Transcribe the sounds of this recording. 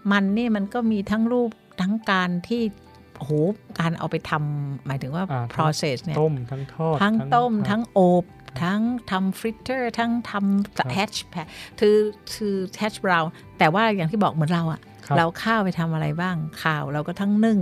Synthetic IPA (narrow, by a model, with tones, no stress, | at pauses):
ma˧nːiː˥˩ma˧nkɔː˥˩miː˧t̪ʰa˦˥ŋɾuː˥˩p̚t̪ʰa˦˥ŋkaː˧nt̪ʰiː˥˩ | ʔo˧hoː˨˦kaː˧nʔa̰˧wpa˧jt̪ʰa˧mːaː˩˦jt̪ʰɯ˨˩˦ŋwaː˥˩pʰɾɔː˧se˨˩sni˥˩mt̪ʰa˦˥ŋʰː˥˧t̪ʰa˦˥˩ŋt̪o˥˩mt̪ʰa˦˥ŋʔo˨˩p̚t̪ʰa˦˥ŋt̪ʰa˧mfɾi˦˥t̪ʰːɤː˥˩t̪ʰa˦˥ŋt̪ʰa˧mhʰɛ˦˥t͡ɕpʰɛ˧˥t̪ʰɯː˧t̪ʰɯː˧t̪ʰɛ˦˥t͡ɕbɾaː˧wn | t̪ɛː˨˩waː˥˩jaː˨˩t̪ʰiː˥˩bɔː˨˩k̚mɯ˩˦nɾa˧wʔa˨˩ɾa˧wkʰaː˥˩wpa˧jt̪ʰa˧mʔa˧ɾa˧jbaː˥˩ŋkʰaː˨˩wɾa˧wkɔː˥˩t̪ʰaː˥˩ŋnɯ˥˩ŋ